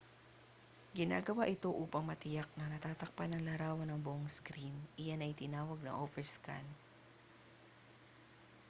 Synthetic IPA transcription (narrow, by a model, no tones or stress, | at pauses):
ɡɪna̰ːɡɐwaʔɪt̪o̞ʔuːpɐŋmɐt̪ɪjak̚nɐnɐt̪aːt̪ɐk̚panɐŋlaɾaːwɐnɐŋbʊʔoŋskɾinʔɪjanɐʔɪt̪ɪnaːwɐɡ̚nɐ̰ʔovɛɹska̰n